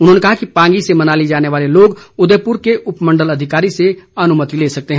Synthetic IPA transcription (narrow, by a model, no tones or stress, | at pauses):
ʊnɦõnekɐɦakipãːŋɡisemɐnaːlid͡ʒaːneʋaːleloːɡʊd̪eːpʊɾkeʔʊpmɐ̃ɳɖəlɐd̪ʱɪkaːɾiseɐnʊmət̪ileːsɐk̚t̪eɦɛ̃ː